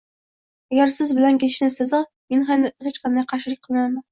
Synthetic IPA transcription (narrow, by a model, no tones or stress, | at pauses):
æɡʲæɾsɪzbɪlænkʲeʃnɪsɨzɨ | menχænɪhet͡ʃqʰɑnd̪ɑjqʰɑʃɪlɨk̚ʲqʰəlˠmæmæn